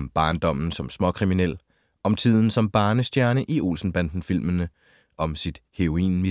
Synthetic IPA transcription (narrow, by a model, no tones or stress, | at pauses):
mb̥ɑ̈ːnd̥ɒ̽m̰n̩sɒ̽msmɒ̽kʰʁiminel̰ | ʔɒ̽mt͡sʰið̰ˠn̩sɒ̽mb̥ɑ̈ːnəsd̥jæɐnəʔio̝̰lsn̩b̥ænd̥n̩fil̰mənə | ʔɒ̽msid̥he̝ʁo̝ḭːnmi